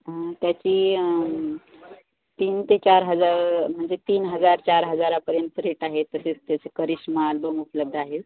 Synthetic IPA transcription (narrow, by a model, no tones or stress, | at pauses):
t̪jat͡ɕiː | t̪iːnt̪et͡ɕaɾɦəd͡zaɾm̤əɳd͡zet̪iːnɦəd͡zaɾt͡ɕaɾɦəd͡zaɾapəɾjənt̪əɾeʈaɦet̪ːəset͡st̪jat͡sekəɾiɕmalbəmupləb̚d̪ʱaɦet